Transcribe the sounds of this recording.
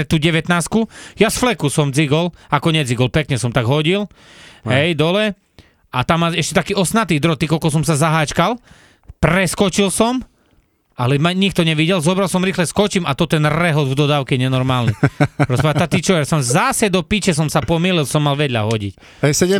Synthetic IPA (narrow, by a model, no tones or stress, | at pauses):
ɛt̪uːɟɛʋɛt̪naːskujasflɛkusɔmd͡ziɡɔlakɔɲɛd͡ziɡɔlpɛkɲɛsɔmt̪aɡɦɔɟil | ɦɛjd̪ɔlɛ | at̪amːalɛʃcɛt̪akiːɔsnat̪id̪ɾɔt̪ikɔlkɔs̬ɔmsazaɦaːt͡ʃkal | pɾɛskɔt͡ʃilsɔm | alɛmaɲik̚t̪ɔɲɛʋiɟɛlzɔbɾalˠsɔmɾiːxlɛskɔt͡ʃimat̪ɔt̪ɛnɾɛɦɔd̪vd̪ɔd̪aːʊkɛɛɲɛnɔɾmaːlniɾɔspaat̪at̪it͡ʃɔɛɾsɔmzasɛd̪ɔpit͡ʃɛs̬ɔmsapɔmiːlilsɔmːalʋɛd̪ʎa̰ɦɔɟḭc | ɦɛjsɛɛ